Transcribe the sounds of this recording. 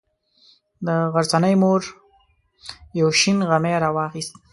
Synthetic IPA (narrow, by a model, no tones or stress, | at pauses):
d̪əɣaɾzanəjmoɾ | jawʃinɣameɾawɑxist̪̚